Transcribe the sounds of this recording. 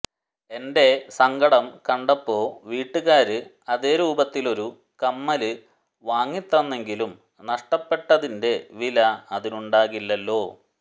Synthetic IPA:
e̞nde̞sɐŋɡɐɽɐmkɐɳɖɐpːo̞ːʋiːʈːɨɣaːɾɨ | ɐðe̞ːɾuːbɐt̪ːilo̞ɾu | kɐmːɐlɨ | ʋaːŋːit̪ːrɐnːe̞ŋɡilum | nɐʂʈɐpːe̞ʈːɐðinde̞ʋilɐɐðinuɳɖaːɣilːɐlːo̞ː

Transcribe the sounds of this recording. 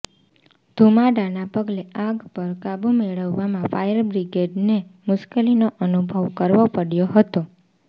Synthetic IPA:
d̪ʱumaɖanapəɡleãɡpəɾkabumeɭəʋːamãfajəɾbɾiɡeɖnemʊʃkelinoʔənubʱəʋkəɾʋopəɽjoɦət̪o

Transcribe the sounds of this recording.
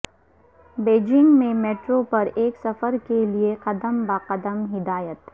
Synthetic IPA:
beːd͡ʒɪ̃ŋɡmẽmeːʈɾopɐɾeːksɐfəɾkelieqɐd̪əmbaːqəd̪əmɦɪd̪aːjət̪

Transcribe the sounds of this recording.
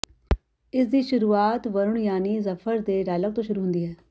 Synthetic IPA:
ɪsd̪iːʃʊɾuːaːt̪ʋəɾʊɳjaːniːzəpʰəɾd̪eːɖaːlək̚t̪õːʃʊɾuːɦʊ̃nd̪iːɦɛː

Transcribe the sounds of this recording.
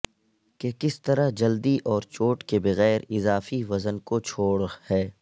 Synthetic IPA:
kekɪst̪ɐɾaɦd͡ʒɐld̪iʔɔːɾt͡ʃoːʈkebɐɣɛːɾɪzaːfiʋɐzənkot͡ʃʰoːɽhɛː

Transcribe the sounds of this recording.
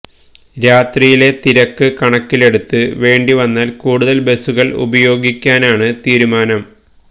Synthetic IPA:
ɾaːt̪rijile̞t̪iɾɐkːɨkɐɳɐkːile̞ɽut̪ːɨʋe̞ːɳɖiʋɐnːaːlkuːɽuðɐlbe̞suɣɐɭṵbɐjo̞ːɡikʲːaːnaːɳɨt̪iːɾumaːnɐm

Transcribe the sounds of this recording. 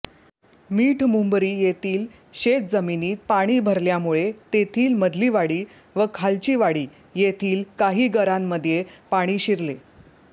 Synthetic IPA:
miːʈʰmumbɾiːjet̪iːl | ɕet̪̚d͡zəminiːt̪̚paɽ̃iːbʱəɾljamuɭet̪et̪ʰiːlməd̪liːʋaɽiː | ʋəkʰalt͡ɕiːʋaɽiː | jet̪ʰiːlkaɦiːɡəɾamːəd̪ʱjepaɽ̃iːɕiɾle

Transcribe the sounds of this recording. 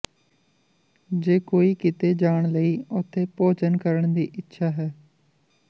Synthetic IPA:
d͡ʒeːkoːiːkɪt̪eːd͡ʒaːɳ̃ləiːʊt̪ʰːeːpoːt͡ʃənkəɾəɳd̪iːʔɪtːʃʰaːɦɛː

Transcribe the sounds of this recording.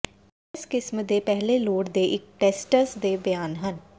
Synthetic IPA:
ɪskɪsmd̪eːpɛɦleːloːɽd̪eːʔɪk̚ʈɛːsʈəsd̪eːbjaːnɦən

